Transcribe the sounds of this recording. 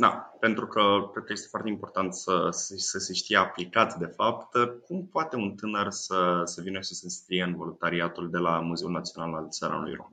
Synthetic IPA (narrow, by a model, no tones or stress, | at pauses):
d̪a̰pe̞nt̪ɾukəkɾed̪̚kəje̞st̪efoart̪eimpo̞rt̪ant̪səsesəseʃt̪ijeaplikat̪ʲd̪e̞fapt̪kumpoat̪e̞unt̪ɨnərsəsevinəʃisenskɾijeɨnvo̞lunt̪aɾiat̪uld̪e̞lamuze̞ulnat̪sionalalsaɾa̰n̰lṵjɾo̰m